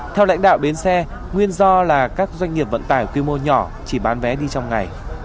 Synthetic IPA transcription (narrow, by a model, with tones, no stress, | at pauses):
t̪ʰɛ˧wla̰˧˥jŋ̟ɗa̰ː˧˨wɗe˨˦nsɛ˧ | ŋwi˧ənzɔ˧laː˨˩kaː˦˥k̚zwa˧jŋ̟ŋi˨˩əp̚və̰˧˨nt̪aː˧˩jkwi˧mo˧ɲɔ˧˩ | t͡ɕi˧˩ɓaː˨˦nvɛ˨˦ɗi˧t͡ɕɔ˧wŋ͡mŋa˨˩j